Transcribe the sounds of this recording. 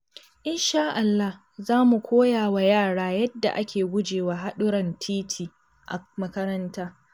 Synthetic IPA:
ʔɪ˦nʃaː˦ʔa˨lːa˦h | zaː˦mu˨kʷʰoː˦jaː˨wa˨jaː˦˨ɽaː˦jɐ˦dːa̰˨ʔa˦kʲeː˨ɡʷʊ˦d͡ʒeː˨waː˨ɦa˦ɗʊ˦ɾɐ˨ntʰiː˦tʰiː˨ | ʔa̰˨mɐ˦kɐ˦ɾɐ˦ntaː˦

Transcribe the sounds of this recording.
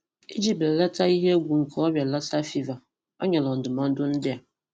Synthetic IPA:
ḭ˦d͡ʒi˦bla˦ta˦i˦ɦe˦ɡʷu˨ŋ̩˨kʰɔ˦ba˨la˦sa˦fi˦va˨ | ɔ̰˦ɲa˨lɔ˨n̩˨dʊ˨ma˦n̩˦dʊ˦n̩˦dɪ˦a˨

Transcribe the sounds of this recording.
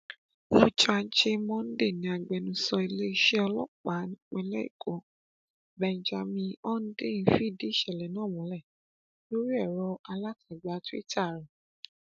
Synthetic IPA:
fu˦t͡ʃa˧d͡ʒe˧mɔ̃˦n̩˦de˦˨nĩ˨a˧ɡ͡bɛ˨˧nũ˧sɔ˧i˧le˦i˧ʃe˦ɔ˧lɔ˦k͡pa˨˦nĩ˦k͡pɛ̃˧˦lɛ˦ḭ˦˨kʰo˨˦ | bɛ̃˨n˨d͡ʒa˧mĩ˧ɔ˦n̩˦de˦˨nĩ˨˦fi˦˨de˨˦ʃɛ˦˨lɛ˨nãː˦˨mũ˨˦lɛ˦˨ | lo˦ɾi˦ɛ˦˨ɾɔ˧a˧la˦ta˦˨ɡ͡ba˨˦tu˦ḭ˦ta˦˨ɾĩ˨

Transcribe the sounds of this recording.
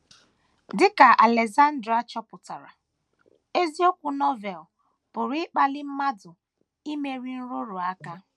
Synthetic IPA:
dɪ˦ka˨ʔa˨le˨za˦n̩˦dɾa˦t͡ʃɔ˦pʊ˨ta˨ɾa˨ | e˦zi˦o˦kʷʊ˦nɔ˦vɛ˨l | pʊ˨ɾi˦k͡pa˦lɪ˦m̩˦ma˦dʊ˨ | i˦me˦ɾi˦n̩˦ɾo˦ɾo˨a˦ka˦

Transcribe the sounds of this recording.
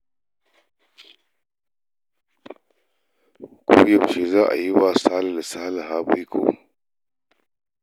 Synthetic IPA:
kṵ˦jɐ˦˨m˨ʃe˨zaː˦ʔa̰˨ji˦wa˦sa˦la˨la˨saː˦la˨ɦaː˦bu˦jkʰo̰˨

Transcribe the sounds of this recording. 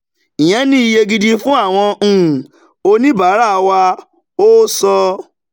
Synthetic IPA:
i˨j̃ɛ̃˨˦nĩ˦i˧je˧ɡi˧di˧fũ˦a˦˨w̃ɔ̃˧˦˨ | o˧nĩ˦baː˨˦ɾa˦˧wa˧ | o˦sɔ˧

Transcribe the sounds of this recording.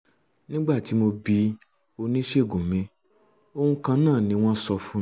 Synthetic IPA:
nĩ˦ɡ͡ba˦˨ti˨˦mo˧bi˧˦ | o˧nĩ˦ʃe˦˨ɡũ˨mĩ˨˦ | o˧hũ˧kã˧nãː˦˨nĩ˧w̃ɔ̃˦sɔ˧fũ˦

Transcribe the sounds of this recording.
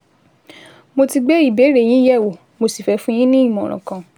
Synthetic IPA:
mo˧ti˧ɡ͡bɛ˦i˦˨be˨˦ɾe˦˨j̃ĩ˨˦jɛ˦˨wo˨ | mo˧si˨fɛ˨˦fũ˦j̃ĩ˦nĩ˦i˦˨mɔ̃˨ɾ̃ɔ̰̃˨kã˨

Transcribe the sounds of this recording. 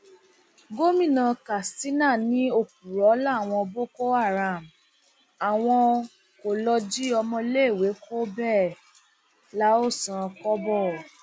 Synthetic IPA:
ɡo˦mĩ˦˨nã˧ka˨sti˦na˦˨nĩ˦o˦˨k̚u˨ɾɔ˨˦la˦˨w̃ɔ̃˧bo˦ko˦a˦˨ɾa˨m˨ | a˨w̃ɔ̃˧ | ko˨lɔ˧d͡ʒi˦ɔ˧mɔ̃˧le˦˨we˨˦ko˦bɛ˦˨ | la˦o˦˨sã˧kɔ˦bɔ˦˨

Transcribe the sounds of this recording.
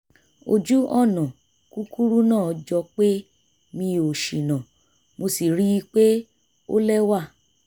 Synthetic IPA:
o˧d͡ʒu˦ɔ˦˨nã˨ | ku˦ku˦ɾu˦nãː˦˨ɔ˧d͡ʒɔ˧k͡pe˦ | mĩ˧o˨ʃi˨nã˨ | mo˧si˨ɾi˦i˦k͡pe˦ | o̰˦lɛ˦wa˦˨

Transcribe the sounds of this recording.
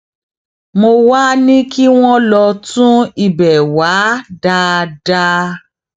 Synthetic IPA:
mo˧wa˦nĩ˦ki˦w̃ɔ̃˦lɔ˧tũ˦i˨bɛ˨wa˨˦da˧da˦˧

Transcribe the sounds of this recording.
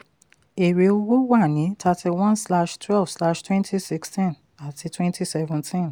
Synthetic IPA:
e˨ɾe˨˦o˧wo˦wa˦˨nĩ˨˦tʰa˧tʰi˧wɔ̃˦nsla˦ʃtʰwɛ˦lvsla˦ʃtwɛ̃˦ntʰi˦si˦kstĩ˦n | a˨tʰi˧twɛ̃˦ntʰi˦sɛvɛ̃˨ntʰĩ˦n

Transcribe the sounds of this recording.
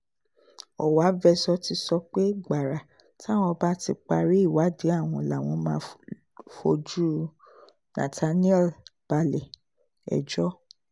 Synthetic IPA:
ɔ̰˨wa˨˦vɛ˧sɔ˧ti˧sɔ˧k͡pe˦ɡ͡ba˨ɾa˨ | ta˦˨w̃ɔ̃˧ba˦ti˧k͡pa˧ɾi˦i˦˨wa˨˦de˨˦a˦˨w̃ɔ̃˧la˨w̃ɔ̃˧mãː˧ | fo˧d͡ʒu˦ | nã̰˨tʰa˧nĩ˦ɛ˦˨lb̥a˧lɛ˨ | ɛ̰˨d͡ʒɔ˦

